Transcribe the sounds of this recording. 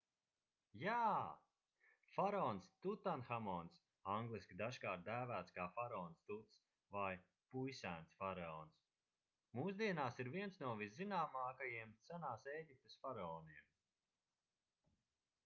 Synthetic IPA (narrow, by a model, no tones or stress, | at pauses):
jaː | faɾɔːnst̪ut̪anxamɔːns | aŋɡlˠisʲkʲid̪aʃkaːɾt̪̚d̪æːvæːt̪skaːfaɾɔːnst̪ut̪s | vaj | pujsæːnsfaɾaɔːns | muːsd̪iɛnaːsiɾviɛnsnuɔviszinaːmaːkajiɛmt̪sænaːseːɟip̚t̪ɨsfaɾaɔːniɛm